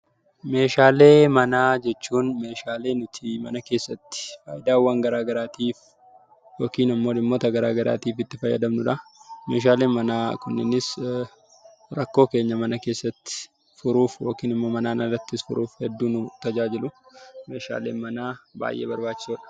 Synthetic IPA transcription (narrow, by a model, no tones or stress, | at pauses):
me̞ːʃaːle̞ːmɐnaːd͡ʒɛt͡ʃːuːnme̞ːʃaːle̞ːnʊt̪ʰɪmɐnɐke̞ːsːɐt̪ːɪ̥faːjɪd̪aːwːɐŋɡɐɾaːɡɐɾaːt̪iːf | joːkiːnɐmːoːlɪmːoːt̪ɐɡɐɾaːɡɐɾa̰ːt̪iːfɪt̪ːɪfɐjːɐ̰d̪ɐmnʊᶑɐme̞ːʃ̬aːle̞ːnmɐnaːkʊnːɪnɪs | ɾɐkːo̞ːke̞ːɲːɐmɐnɐke̞ːsːɐt̪ːɪ̥ | fʊɾuːfjo̞ːkiːnɪmːo̞ːmɐnaːnɐrɐt̪ːɪsfʊɾʔuːfhɛd̪ːuːnʊt̪ɐd͡ʒaːd͡ʒɪlʊme̞ːʃa̰ːle̞̰ːnmɐnaːba̰ːjʔḛːbɐɾbaːt͡ʃːɪsoːᶑɐ̥